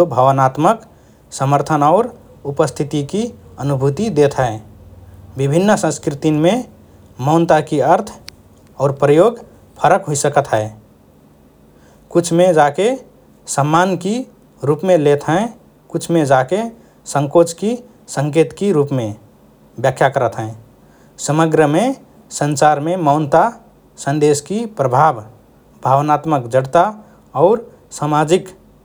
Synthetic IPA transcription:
obʱəʋənat̪mək | səməɾt̪ʰənɔːɾ | upəst̪ʰit̪ikiənubʱut̪id̪et̪ʰɦɛː | bibʱinːsə̃nskɾɪt̪imẽ | mɔʊnt̪akiəɾt̪ʰ | ɔːɾpɾəjoːɡ | pʰəɾəkɦoisəkət̪ɦɛː | kʊt͡ʃʰmẽd͡ʒake | səmːaːnki | ɾuːpmẽlet̪ɦɛ̃ | kʊt͡ʃʰmed͡ʒake | sə̃ŋkot͡ʃki | sə̃ŋkeːt̪kiɾuːpmẽ | bjəkʰjakəɾət̪ɦɛ̃ | səməɡɾəme | sə̃nt͡ʃaɾmemɔʊnt̪a | sə̃nd̪eskipɾəbʱab | bʱaʋnat̪məkd͡ʒəɽt̪a | ɔʊɾ | samad͡ʒɪk

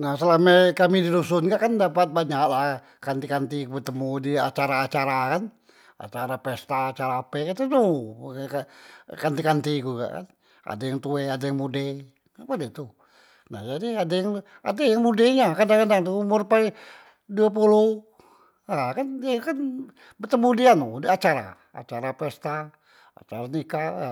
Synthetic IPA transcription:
nahsəlamakamidiɾusʊnkaʔkandapat̪̚baɲaklah | kant̪ikant̪ikubət̪əmudia̰t͡ʃaɾaːt͡ʃaɾakan | a̰t͡ʃaɾapɛst̪aːt͡ʃaɾaːpɛkat̪ud̪ukakant̪ikant̪ikuka̰ʔka̰n | a̰dajaŋt̪ueadajaŋmude | apadit̪u | nahd͡ʒadiadajaŋ | a̰dajaŋmudeɲakandakandaŋt̪uumʊrpai | duap̬ulu | akanakan | bət̪əmudianudiat͡ʃaɾa̰ | a̰t͡ʃaɾapɛst̪a | a̰t͡ʃaɾanika

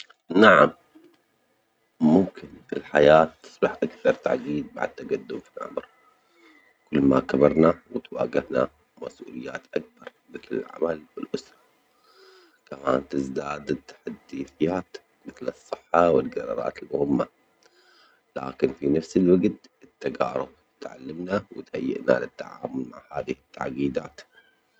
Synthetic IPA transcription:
naʕam | ʊmkɪnɪlħajaːt̪ːɨ̥sˤbɑħʔakθɑɾˤt̪a̰ʕɡiːd̪̚ba̰ʕd̪̚t̪aɡad̪ːʊmfinʕa̰mɾ | kʊlːma̰kabɑɾˤnawɪt̪wa̰ːɡɪhna̰ | ma̰sʔṵːlɪjːa̰ːt̪ʔak̚bɑɾˤ | mɪθlɪ̰lʕa̰malwɪlʔʊsɾˤɑ̥ | kamaːnt̪ɪzd̪aːd̪t̪ːḁħad̪ːiːθɪjːaːt̪ | mɪθlɨsˤːɨħːɑwɪlɡɑɾˤɑ̰ɾˤɑ̰ːt̪ɪlmʊhɪmːa | la̰ːkɪnfinafsɪlwaɡt̪ɪt̪ːaɡɑːɾˤʊb̚ | t̪ʕa̰lːɪmnawɪ̰t̪hajːɪ̰ʔna̰lɪt̪ːaʕa̰ːmʊlma̰ʕhaːðɪhɪt̪ːa̰ʕɡiːd̪aːt̪

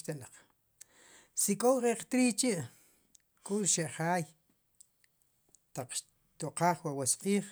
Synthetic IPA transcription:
t̪elaq͡χ | sikʼowqʼeqt̪ɾiːt͡ʃiʔ | kʼuɾʃeʔχaːj | t̪aq͡χʃ | t̪oqaːχwawesqʼiːχ

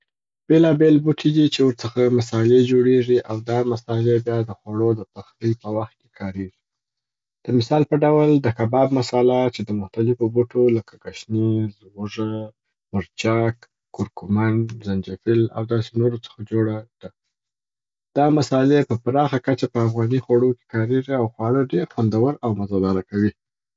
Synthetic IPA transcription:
b̥elɑbelbuʈʰid̪it͡ʃewəɾt͡səxamasɑled͡ʒoɽeʐiʔawd̪ɑmasɑlebjɑd̪əxwaɽod̪əpəxt̪əjpəwaxt̪̚kekʰɑɾeʐi | d̪̥əmɪsɑlpəɖawld̪əkabɑb̚masɑlat͡ʃed̪əmʊxt̪alɪfobuʈoləkaɡaʃnizɣʊʐa | mʊɾt͡ʃɑkː | ʊɾkʊmanzand͡ʒafɪla̰wd̪ɑsenoɾot͡sə̥xad͡ʒoɽad̪̥a | d̪̥ɑmasɑlepəpɾɑxakat͡ʃapəafɣɑnixwaɽoke̥kɑɾeʐiawxwɑɽəɖeɾxwand̪awəɾawmazɑd̪ɑɾakawi

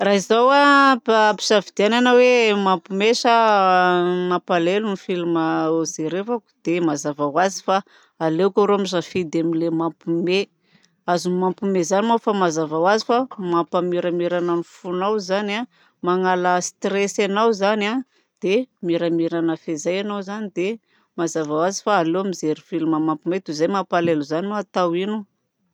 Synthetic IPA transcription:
raɦizawapapi̥ʃavid̪iananəwemampumeʃə | mapalelunifiluməozeɾevaku̥d̪̥emazavawazi̥fa | aleukʲaɾoamizafid̪amilemampume | azumampumezanimawfamazavawazifamampamiɾamiɾananifunawzana | maŋalast̪resanawzana | d̪̥emiɾamiɾanəfezajanawzanid̪e | mazavawazi̥faːlewamizeɾufilmamampumet̪uzajmapaleluzaniuat̪awinu

